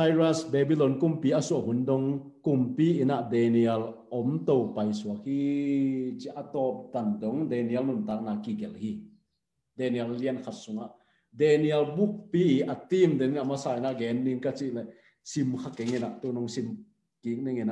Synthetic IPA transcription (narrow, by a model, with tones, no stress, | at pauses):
sa˧jɾa˧sbɛ˧bi˧lɔ˨nku˨mpiː˨˦a˧su˧ɐ˨k̚ɦu˨˦ndɔ˧˦ŋku˨˧mpiː˦ʔi˨na˨ʔde˨˧ni˧ɛ˧lʔɔ˨˦mt̪o˧˨wpɐ˨jsu˨ɐ˦k̚hi˦ | t͡ʃi˧ʔa˧t̪ɔ˧p̚t̪a˨ndɔ˨˦ŋde˨ni˧ɛ˧˦lnu˨nt̪aː˦k̚na˧˨kːi˧ɡɛ˨lhi˧˨ | de˧ni˨ɛ˧lli˧ənkʰa˧t̪̚su˨˦ŋa˨ʔ | de˧ni˧ɛ˧lbu˦k̚pi˦˨ʔɐ˨t̪i˦md̪e˨ni˧˦a˨ma˦saː˧˨i˨na˧ʔɡɛ˨˦nːi˧nka˧t͡si˧ʔlɛ˨ | si˧mkʰa˦˧kɛ˨˦ŋi˧na˨ʔt̪u˧nɔ˧ŋsi˧m | ki˨˦k̚ni˧ŋi˨na